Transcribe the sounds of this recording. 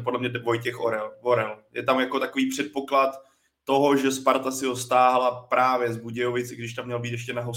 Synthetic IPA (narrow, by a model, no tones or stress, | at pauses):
podlɛmɲɛvo̞jcɛxoɾɛlvoɾɛljɛt̪amjako̞t̪akoviːpr̝̥ɛt̪̚po̞klat̪ː | o̞ɦoʒɛspaɾt̪asɪɦost̪aːɦalapɾʔaːvjɛzbuɟɛjovɪt͡sɪɡdɪʃt̪amːɲɛlbiːt̪jɛʃ̬cɛnaɦo